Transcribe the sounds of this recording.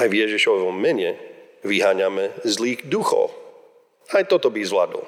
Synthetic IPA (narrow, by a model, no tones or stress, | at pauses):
ajvjɛʒiʃɔʋɔmːɛɲɛ | ʋiɦaːɲamɛzliːɣd̪uxɔ̰ʊ | ajt̪ɔt̪ɔbizla̰d̪ɔ̰l